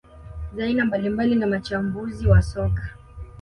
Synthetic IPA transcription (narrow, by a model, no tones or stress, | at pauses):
zainambalimbalinamat͡ʃambuziwasɔkḁ